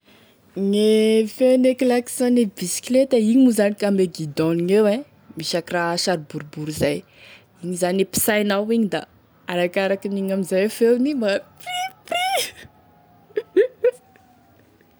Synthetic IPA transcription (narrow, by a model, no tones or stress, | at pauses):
ŋefewnekilaki̥sɔnebisi̥klet̪əiɲimuzanikambeɡid̪ɔniŋewe | miʃakiraʃaɾibuɾbuɾizaj | iɲizanepi̥sajnawiɲid̪a̰ | aɾakaɾakiniɲamizajfewnimbapipi